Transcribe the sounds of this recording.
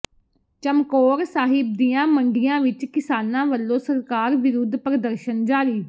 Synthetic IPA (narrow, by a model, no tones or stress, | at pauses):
t͡ʃəmkoːɾsaːɦɪb̚d̪ijãːməɳɖɪjãːʋɪt͡ʃkɪsaːnãːʋəlːõːsəɾkaːɾʋɪɾud̪pɾəd̪əɾʃənd͡ʒaːɾiː